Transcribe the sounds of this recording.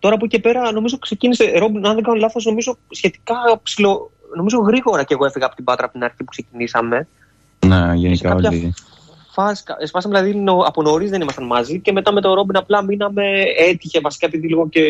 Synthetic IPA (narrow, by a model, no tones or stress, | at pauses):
t̪o̞ɾɐːpoce̞pe̞ɾɐno̞mizo̞kse̞ciniseɾo̞binɐnðeɡɐnolɐθo̞sno̞mizo̞sçe̞t̪i̥kɐpsilo̞ | no̞mizo̞ɣɾiɣo̞ɾɐceɣo̞e̞fiɣɐːpo̞t̪ibɐt̪ɾɐpot̪inɐɾçipu̥ksecinisɐme̞ | neʝenisekɐkɐoçɐli | fɐsi̥kɐ̰espɐsɐmeðilɐðinoɐpono̞ɾizðenimɐst̪ɐnmɐzice̞me̞t̪ɐme̞t̪o̞ɾo̞binɐplɐminɐme̞et̪içe̞vɐsi̥kɐe̞piðiliɣoce̞